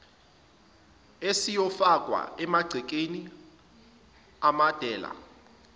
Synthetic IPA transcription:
esijɔfakʼwa̰ɛmaɡ͡ǀʱɛk̬ʼeni | amad̥ʱɛːla̰

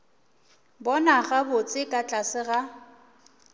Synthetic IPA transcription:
bɔnaɣabʊt͡sʼɪkʼat͡ɬʼasɪɣa

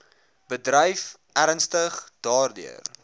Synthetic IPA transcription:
b̥ədɾəjf | ʔæɾənstəχd̥ɑːrdy̰ər

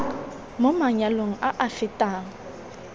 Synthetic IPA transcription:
momaɲaloŋ̩ʔaʔafɪtʼaːŋ̩

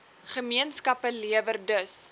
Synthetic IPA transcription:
χəmiənskɐpəliəvərdəs

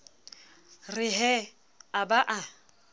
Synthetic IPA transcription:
rɪɦɛ | abaʔa

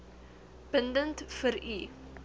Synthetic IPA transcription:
b̥əndəntfəɾi

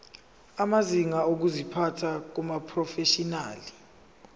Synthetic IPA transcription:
amaziŋaok̬uzipʰatʰak̬umapʰrɔfeʃinaːli

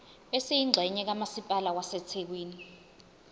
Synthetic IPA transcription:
esijiŋ͡ǀʱɛɲɛk̬amasipʼalawasɛt͡sʰek̬wiːni

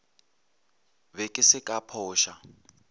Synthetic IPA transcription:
βɛkʼɪsɪkʼapʰɔːʃa

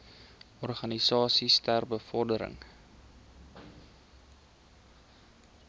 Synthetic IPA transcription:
ɔrχɐnisɑːsistærbəfɔrdəɾə̰ŋ

